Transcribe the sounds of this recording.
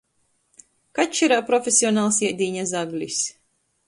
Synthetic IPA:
kat͡ʃiɾaːpɾɔfʲesʲiɔnaːlˠsiɛd̪iːɲazaɡlʲis

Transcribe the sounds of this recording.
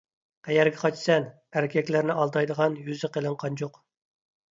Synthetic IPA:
qʰæjɛɾɡʲɛqʰɑt͡ʃsɛn | æɾɪkʲʰɛkʲlæɾnɪʔɑlˠd̪ɑjd̪əʁɑnjyzɪqəlˠɨɴqʰɑnd͡ʒoq

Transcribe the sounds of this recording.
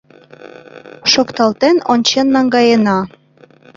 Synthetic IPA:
ʃokt̪ɑlt̪enonʲt͡ɕenːɑŋɡɑjenɑ

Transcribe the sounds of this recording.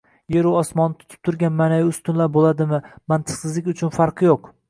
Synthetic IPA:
jeɾuɒsmɒnːɪt̪ʰʊ̥t̪ʰɪ̥p̚t̪ʰʊɾɡʲanmanajɪʊst̪ʊnlaɾbolˠad̪ɪmɪmant̪ʰɨ̥qsɪzlɪkʲʊt͡ʃʰʊnfaɾqʰɨjoq

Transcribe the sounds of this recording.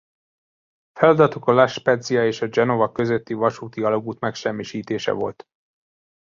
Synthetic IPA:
fɛlɒd̪ɒt̪okɒlaʃpɛd̪zijɒeːʃɒd͡ʒɛno̞vɒkø̞zøt̪ːivɒʃuːt̪iɒloɡuːt̪mɛkʃɛmːiʃiːt̪eːʃɛ̰vo̞̰lt̪

